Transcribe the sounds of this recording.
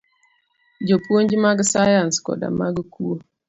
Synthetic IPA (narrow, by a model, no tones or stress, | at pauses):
d͡ʒopuond͡ʒimaɡəsajanskɔ̰da̰maɡəkuo